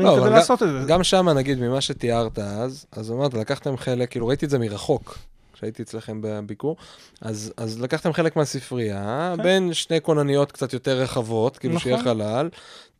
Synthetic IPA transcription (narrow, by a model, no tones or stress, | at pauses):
loavaasot̪eeɡamʃamanaɡid̪mimaʃe̞t̪iaʁt̪aazazamaʁt̪̬alakaχt̪e̞mχe̞lekːiːluʁait̪ize̞miʁaχo̞k | kʃeait̪iet͡slaχe̞mbebikuʁ | ʔazazlakaχt̪e̞mχe̞le̞kmeasifʁiabe̞nʃnejkonanijo̞t̪kt͡sat̪jo̞t̪eʁːeχavo̞t̪kiːluʃejeχalal